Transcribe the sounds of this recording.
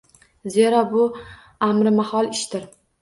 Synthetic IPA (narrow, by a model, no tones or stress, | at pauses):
ze̞ɾabʊ | amɾɪmahɒlˠɪʃt̪ɪɾ